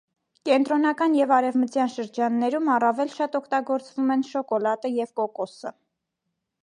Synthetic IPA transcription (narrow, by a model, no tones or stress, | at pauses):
kɛnt̪ɾɔn̪ɑkɑnjɛvɑɾɛvmət͡sjɑnʃəɾd͡ʒɑnːɛɾumɑrɑvɛlʃɑt̪ɔkʰt̪ɑɡɔɾt͡svumɛnʃɔkɔlɑt̪əjɛvkɔkɔsə